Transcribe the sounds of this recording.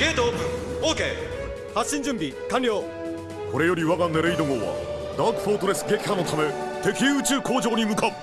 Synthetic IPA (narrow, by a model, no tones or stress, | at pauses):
ked̪okɯokʰe | has͈ind͡ʑɯmbi | kanjo | koɾejoɾiwaɡanːeɾeid̪oŋowa̰ | d̪akpʰot̪ʰoɾes͈ɡekʰanotʰamɯɭt̪ekʰeɯt͡ɕʰɯkʰod͡ʑoɲimukʰap̚